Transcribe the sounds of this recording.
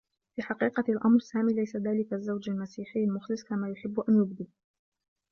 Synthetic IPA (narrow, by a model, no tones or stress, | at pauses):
fiːħɑqiːqɑlʔɑmɾˤsaːmiːlajsaðaːlɪkazːawd͡ʒalmasiːħɪjːalmʊxlɪsˤkamaːjʊħɪbːʔanjʊb̚d̪i